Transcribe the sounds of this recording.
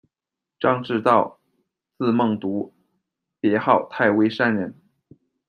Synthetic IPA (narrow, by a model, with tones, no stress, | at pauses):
ʈ͡ʂɑ˥˧ŋʈ͡ʂɻ̩˥˧t̪ɑ˥˩ʊ | t͡sɹ̩˥˧mɤ˥˩ŋt̪u˧˥ | pjɛ˧˥xɑ˥˧ʊt̪ʰa˥˩ɪwe˥ɪʂa˥˩nɻə˧˥n